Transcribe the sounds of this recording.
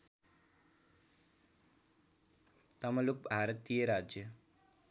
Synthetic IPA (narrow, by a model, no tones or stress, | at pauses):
t̪ɐmɐlubʱaːɾɐt̪iːjɐɾaːd͡ʒjə